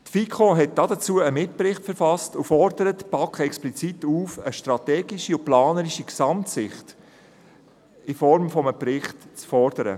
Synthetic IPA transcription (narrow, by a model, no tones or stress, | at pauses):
tfikʰoɦɛt̚d̥ɑdət͡suəəmɪt̚pɾɪχtfəɾfɑstufɔɾd̥əɾətpɑkχəɛksplit͡situːfəʃtɾɑtɛːɡiʃiʊplɑːnəɾiʃiksɑmtsɪχt | ɪfɔɾmfɔməpɾɪχtt͡sfɔɾd̥əɾə̰